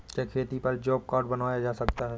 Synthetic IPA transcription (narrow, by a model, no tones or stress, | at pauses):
kekʰeːt̪ipɐɾd͡ʒɔːb̚kaːɾɖbɐnaːjad͡ʒaːsɐkt̪aɦɛː